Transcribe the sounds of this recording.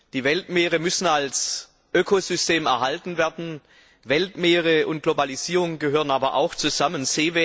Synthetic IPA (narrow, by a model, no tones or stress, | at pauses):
d̥iːvɛltmeːʁəmʏsn̩als | ʔøkʰozʏsteːmɛɐɦaltn̩veːɐdn̩ | vɛltmeːʁəʊnt̚ɡ̥lobaliz̥iːʁʊŋɡəɦøːʁənaːbɐʔa̰ʊxt͡suzamənz̥eːve